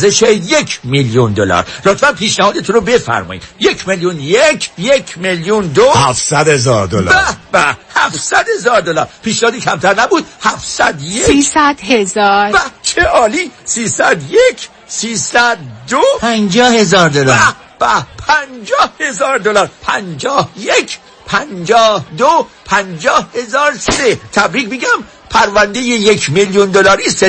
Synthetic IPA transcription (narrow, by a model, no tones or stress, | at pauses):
zeʃejecʰmiljund̪olæ̰ːɾlot̪ʰbænpʰiːʃnæhɒːd̪et̪ʰunɾobe̞fæ̰ɾmɒ̰ːjḭːd̪jecʰmeljunjecʰjecʰmeljund̪ohæfsæd̪hezɒːɾd̪olbæbæhæfsæd̪he̞zɒːɾd̪olæːɾpʰiːʃnæhɒːd̪iːcʰæmt̪ʰæɾnæbuːd̪̥̚hæfsæd̪jesæd̪hezɒːɾbæt͡ʃʰeʔɒːliːsiːsæd̪jecʰ | siːsæd̪̚ːopʰænd͡ʒɒːhezɒːɾd̪olɒ | b̥æpʰænd͡ʒɒːhhe̞zɒːɾd̪olæːɾpʰænd͡ʒɒːhjecʰ | pʰænd͡ʒɒːhd̪opʰænd͡ʒɒːhhe̞zɒːɾsed̪et̪ʰæbɾiːkmiɟæm | pʰæɾvænd̪ejejekʰmiljund̪olɒːɾiːs